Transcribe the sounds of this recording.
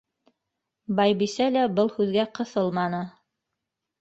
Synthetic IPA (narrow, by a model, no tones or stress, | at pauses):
bɑjbisælæbɤlˠhʉðɡæqɤ̆θɤlˠmɑnɤ